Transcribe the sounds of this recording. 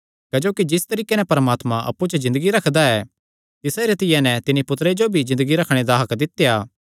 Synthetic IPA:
ked͡ʒoːkid͡ʒɪst̪ɐɾiːkenɛpɐɾəmaːt̪mãʔɐ̰pːut͡ʃəzɪ̃nd̪əɡiɾɐkʰd̪aɛː | t̪ɪsaɾɪt̪ɪjɛnɛt̪ɪnipʊt̪ɾed͡ʒobʱizɪ̃nd̪əɡiɾɐkʰɽ̃ed̪aːɦɐkd̪ɪt̪jaː

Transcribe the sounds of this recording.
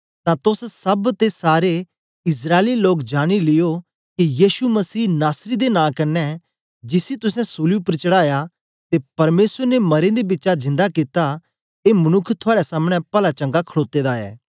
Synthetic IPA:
t̪ãt̪ʊssɐbt̪esaːɾe | ɪsɾaːeliloːkd͡ʒaːɽ̃ilɪjo | kijiːsumɐsiːnaːsɾid̪enãːkɐɾnːɛ | d͡ʒɪsit̪ʊsɛ̃soːlupɾt͡ʃəɽaːja | t̪epɐɾmeːsəɾnemɐɾẽd̪ebɪtːt͡ʃad͡ʒɪ̃nd̪akit̪a | emɐnʊkʰːt̪ʰʊaːɾesaːmɽ̃ɛpɐlat͡ʃɐ̃ŋɡakʰəɭoːt̪ed̪aɛ̰ː

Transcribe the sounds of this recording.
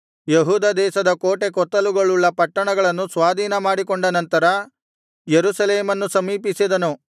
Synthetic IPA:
jeɦuːd̪ɐd̪ɛːʃɐd̪ɐkoːʈe̞k̬ɔt̪ːɐluɡɐɭulːɐpɐʈːɐɳɐɡɐɭɐnːusʋaːd̪ʱiːnɐmaːɽikoɳɖɐnɐnt̪ɐɾɐ | jeɾusɐleːmɐnːusɐmiːpisid̪ɐnu

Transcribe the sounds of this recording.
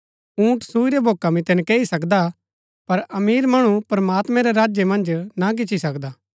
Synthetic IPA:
ũːʈsuːiɾebʱoːkamĩt̪ɛnɛkeːisɐkd̪a | pɐɾɐmiːɾmɐɽ̃upɾɐmaːt̪mɛ̃ɾeɾaːd͡ʒjemɐ̃nd͡ʒnak̬ɪt͡ʃʰisɐkd̪aː

